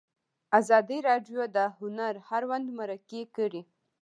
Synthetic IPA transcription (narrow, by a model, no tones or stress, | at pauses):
azɑd̪iɾɑɖjod̪əhʊnaɾhaɾwand̪maɾakekəɽi